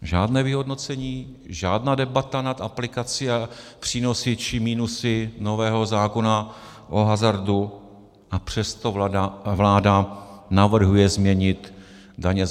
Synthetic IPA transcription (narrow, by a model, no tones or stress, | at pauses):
ʒaːdnɛːvɪɦo̞dno̞t͡sɛɲiː | ʒaːdnaːdɛbat̪anat̪ʔaplɪkat͡siapr̝̥iːno̞sɪt͡ʃɪmiːnusɪno̞vɛːɦo̞zaːko̞na | ʔoɦazaɾdu | ʔapr̝̥ɛst̪o̞vlaːdanavr̩ɦujɛzmɲɛɲɪt̪ | daɲɛ